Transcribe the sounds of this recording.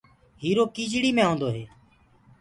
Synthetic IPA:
ɦiːɾoːkiːd͡ʒɽiːmẽːɦõːnd̪oːɦeː

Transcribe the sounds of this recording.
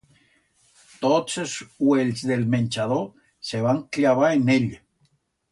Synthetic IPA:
t̪otseswelzðelmẽnʲt͡ʃaðo | seβ̞aŋklaβaɾeneʎ

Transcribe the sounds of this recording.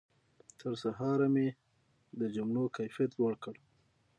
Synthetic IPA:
t̪ʰəɾsaɦɑɾame | d̪əd͡ʒʊmɳokajfijat̪waɽkəɽ

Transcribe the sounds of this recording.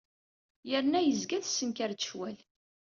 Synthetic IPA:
jəɾnæjəzɡæθsːənkæɾʃwæl

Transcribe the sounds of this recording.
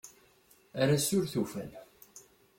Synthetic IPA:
aɾasʊɾθufæ̰n

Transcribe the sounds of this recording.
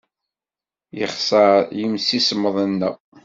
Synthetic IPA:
jəχsəɾjəmsisəmːəðˤənːæ̰

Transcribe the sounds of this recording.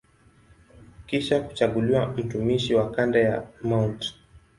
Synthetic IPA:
kiʃaku̥t͡ʃaɠuliwam̩tumiʃiwakandajamawnt

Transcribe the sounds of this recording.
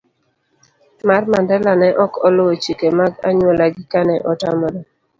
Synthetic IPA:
marmandɛlanɛʔɔkɔlʊwot͡ʃikemaɡa̰ɲwɔlaɡɪkanɛʔɔtamɔɾɔ

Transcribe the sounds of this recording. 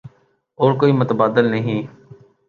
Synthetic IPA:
oːɾkoːiːmʊt̪əbaːd̪əlnəɦĩː

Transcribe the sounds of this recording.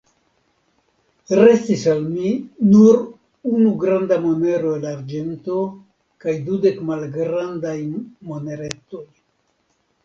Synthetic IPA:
ɾe̞stisalminuɾ | unuɡɾandamone̞ɾo̞elaɾd͡ʒe̞nto̞ | kajdude̞kmalɡɾandajmone̞ɾet̪o̞j

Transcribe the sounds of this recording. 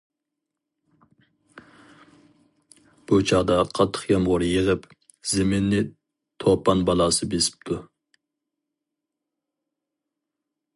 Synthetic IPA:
b̥ut͡ʃʰɑʁd̪ɑqʰɑt̪ʰːə̥χjɑmʁʊɾjiʁəp | z̥emɪnːɪ | t̪ʰopːɑnbɑlˠɑsɨbesɪ̥p̚t̪ʰu

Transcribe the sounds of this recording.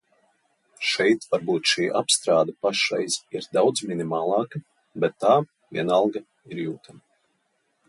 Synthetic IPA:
ʃɛjt̪vaɾbuːt̪ʃiːʔa̰pst̪ɾaːd̪ɐpaʃɾɛjz̥iɾd̪awd̪zminimaːlˠɑːka | bɛt̪ːaː | vʲɛnalˠɡa | iɾjuːt̪ʰam

